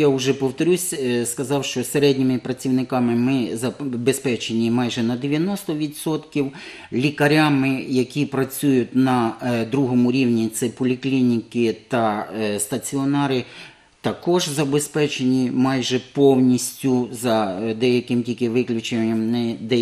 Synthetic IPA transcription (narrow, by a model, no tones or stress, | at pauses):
jaʊʒɛpɔwt̪ɔɾʲusʲskɐzɑwʃt͡ʃɔseɾɛdʲnʲimɪpɾɐt͡sʲiwnɪkɑmɪmɪzɐbespɛt͡ʃenʲimɑjʒɛnɐd̪eʋʲjɐnɔst̪ɔʋʲid̪sɔt̪kʲiw | lʲikɐɾʲamɪjɐkʲipɾɐt͡sʲujʊtʲnɐd̪ɾuɦɔmʊɾʲiwnʲit̪sɛpɔlʲiklʲinʲikɪt̪ɐst̪ɐt͡sʲiɔnɑɾɪ | t̪ɐkɔʒzɐbespɛt͡ʃenʲimɑjʒɛpɔwnʲisʲtʲʊzɐd̪ɛjɐkɪmtʲilʲkɪʋɪklʲʊt͡ʃenʲːɐmnɛd̪ɛ